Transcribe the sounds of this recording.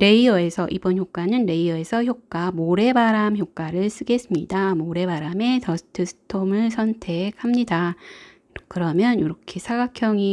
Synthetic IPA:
ɾe̞iʌe̞sʰʌʔibʌnçjok͈anɯnɾe̞iʌe̞sʰʌçjok͈amoɾe̞baɾamçjok͈aɾɯɭs͈ɯɡe̞s͈ɯmɲidamoɾe̞baɾame̞tʌsʰɯ̥tʰɯsʰɯ̥tʰomɯɭsʰʌntʰe̞k̚hamɲida | kɯɾʌmjʌnjoɾʌkʰe̞sʰaɡakʰjʌŋi

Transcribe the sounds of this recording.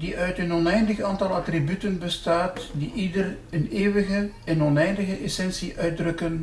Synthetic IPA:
diʔœɥtənɔnɛjndəxaːntɑlˠɑtribytənbəstaːtdiʔidər | əneːwəɣə | ɛnɔnɛjndəɣəʔɛsɛnsiʔœɥdrɵkən

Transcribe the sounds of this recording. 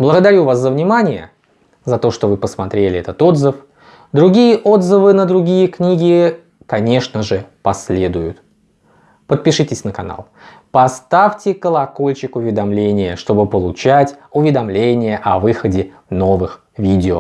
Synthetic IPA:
blˠəɡəd̪ɐɾʲuvaszəvnʲɪmanʲɪjə̰ | zɐt̪o̞ʂt̪o̞vɨpəsmɐt̪ɾʲelʲɪɛt̪ət̪o̞d̪zɨf | d̪ɾʊɡʲijəʔo̞d̪zɨvɨnəd̪ɾʊɡʲijəknʲiɡʲɪ | kɐnʲe̞ʂnəʐɨpɐsʲlʲe̞d̪ʊjʊt̪ | pət̪̚pʲɪʂɨtʲɪsʲnəkɐna̰lˠ | pɐst̪afʲtʲɪkəlˠɐko̞lʲt͡ɕɪkʊvʲɪd̪ɐmlʲenʲɪjəʂt̪o̞bɨpəlˠʊt͡ɕætʲʊvʲɪd̪ɐmlʲenʲɪjəʔɐvɨxədʲɪ | no̞vɨx | vʲidʲɪo̰

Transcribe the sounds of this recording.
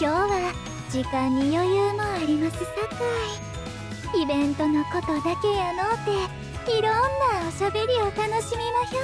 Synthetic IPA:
kʲo̞ːβa | d͡ʑikãɲ̟ːijo̞jɯːmo̞aɾʲimasɨsakai | ibẽ̞nt̪o̞no̞ko̞t̪o̞d̪ake̞janoːt̪ːe̞ | iɾõnːaoɕabe̞ɾʲio̞t̪ano̞ɕimʲimaçoː

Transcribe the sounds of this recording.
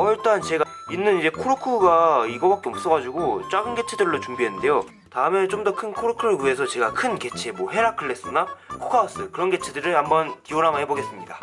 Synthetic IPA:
ʌiɭt͈ant͡ɕe̞ɡa | inːɯnid͡ʑe̞kʰoɾukʰɯɡaiɡʌbak͈e̞ʌp̚s͈ʌɣad͡ʑuɡot͡ɕ͈aɡɯnɡe̞t͡ɕʰedɯɭːot͡ɕumbiɦenːɯnde̞jo | taɯme̞t͡ɕomdʌkʰɯnkʰoɾukʰɯɾɯue̞sʰʌt͡ɕe̞ɡakʰɯnke̞t͡ɕʰe̞mwʌɦe̞ɾakʰɯɭːe̞s͈ɯnakʰo̥kʰaos͈ɯkɯɾʌnɡe̞t͡ɕʰedɯɾɯɭambʌntioɾamaheboɡe̞s͈ɯmɲida

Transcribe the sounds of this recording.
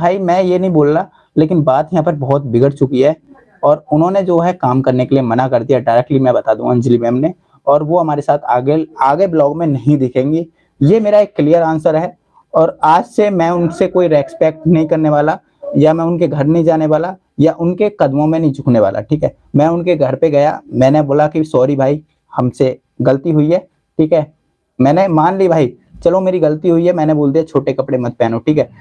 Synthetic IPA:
bʱaːimɛ̃jenɐɦĩboːlna | leːkɪnbaːt̪jɐɦãːpɐɾbɔɦt̪̚bɪɡəɽt͡ʃʊkiɦɛː | ɔːɾʊnɦõned͡ʒoːɦɛkaːmkɐɾnekeliemɐnakɐɾd̪ijaɖaɪɾɛːk̚ʈlimɛ̃bɐt̪aːd̪ũɐ̃nd͡ʒlimɛ̃mne | ɔːɾʋoɦɐmaːɾesaːt̪ʰːɡeaːɡeblɔːɡmẽnɐɦĩd̪ɪkʰẽːŋɡi | jemeːɾaeːkːlijəɾãːnsəɾɦɛː | ɔːɾaːd͡ʒsemɛ̃ʊnsekoːiɾɛːkspɛːk̚ʈnɐɦĩkɐɾneʋaːla | jamɛ̃ʊnkeɡʱɐɾnɐɦĩd͡ʒaːneʋaːla | jaʔʊnkekɐd̪mõmẽnɐɦĩd͡ʒʱʊkʰneʋa̰ːlʔa̰ʈʰiːkɦɛː | mɛ̃ːʊnkeɡʱɐɾpeɡɐja̰mɛ̃ːneboːlakisɔːɾibʱaːi | hɐmse | ɡɐlət̪iɦʊiɦɛː | ʈʰiːkɦɛ | mɛ̃ːnemaːnlibʱaːi | t͡ʃɐlõmeːɾiɡɐlt̪iɦʊiɦɛmɛ̃ːneboːld̪iɦɛt͡ʃʰoːʈekɐpɽemɐt̪̚pɛːnõʈʰiːkɦɛː

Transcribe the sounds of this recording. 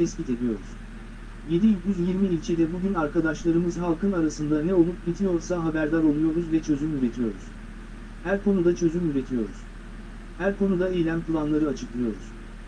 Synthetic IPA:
t̪ʰɛscʲit̪ʰe̞d̪ijo̞ɾuz̥ | je̞d̪ijyɟyzjiɾmiːlʲt͡ʃʰed̪ɛbuɟynaɾkad̪aʃlˠaɾɯmɯzɦalˠkʰɯnaɾasɯnd̪anɛo̞lˠup̚ɟit̪ʰijo̞ɾsaɦabæɾd̪aɾo̞lˠujo̞ɾuzvɛt͡ʃʰø̞zymyɾe̞t̪ʰijo̞ɾuz̥ | hæɾkʰo̞nud̪at͡ʃʰø̞zymyɾe̞t̪ʰijo̞ɾuz̥ | hæɾkʰo̞nud̪aejlʲæmpʰɯlˠanlˠaɾɯat͡ʃʰɯklˠɯjo̞ɾuz̥

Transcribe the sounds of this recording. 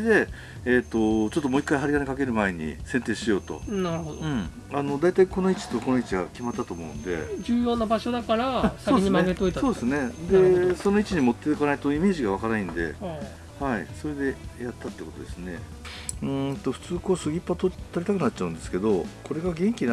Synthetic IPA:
ed̪e̞ | et̪ːo̞t͡ɕot̪ːo̞mo̞ːikːaiɦaɾʲikanekake̞ɾɯ̟mae̞ɲ̟ḭsẽ̞nt̪e̞ːɕijo̞ːt̪o̞̰naɾɯ̟hod̪ɯ̃ɴ | ano̞d̪ait̪aiko̞no̞it͡ɕi̥t̪o̞ko̞noit͡ɕiɡa̰kʲimat̪ːat̪o̞ːmo̞ɯ̟̰̃nod̪e̞̰d͡ʑɨːjo̞ːnabaɕo̞d̪akaɾasakodʲiɲimaɡet̪oit̪so̞ːd̪esɨne̞d̪e̞so̞no̞it͡ɕiɲ̟imo̞t̪ːekanait̪o̞ime̞ːʑiɡaβ̞akanaĩnd̪e̞̰ | haḭso̞ɾe̞d̪e̞jat̪ːat̪eiko̞t̪o̰d̪e̞sɨne̞̰ | ɯ̃t̪o̞ɸɯ̟̥t͡sɨːko̞ːsɨɡʲipːat̪ot̪oɾʲit̪akɯ̟nat͡ɕ̚ːaɯ̟nd̪e̞sɨ̥ke̞d̪o̞kʰo̞ɾe̞ɡaɡẽ̞ŋkʲina

